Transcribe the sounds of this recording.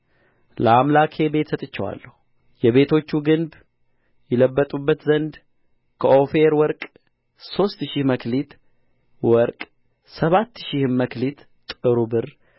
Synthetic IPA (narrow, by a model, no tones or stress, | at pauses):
ləamlakʰe̞be̞t̪sət̪ʼɨt͡ʃːɛwa̰lːəhu | jɛβe̞t̪ʰo̞t͡ʃːuɡɨnb | jɛləbːət̪ʼubːət̪zənd̪ | kʰəʔo̞feɾwɔɾkʼ | so̞st̪ʃihməklit̪ | wɔɾkʼ | səβat̪ːʃihɨmməklit̪ | t̪ʼɨɾubɨɾ